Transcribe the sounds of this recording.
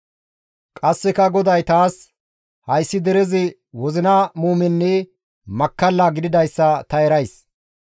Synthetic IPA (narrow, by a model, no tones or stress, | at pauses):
kʼɐsːɛkɐɡɔd̪ɐjt̪aːs | hɐjsːɪd̪ɛɾɛzɪ | wɔzɪnɐmuːmɛnːɛ | mɐkːɐlːaːɡɪd̪ɪd̪ɐjsːɐt̪ɐɛɾɐjs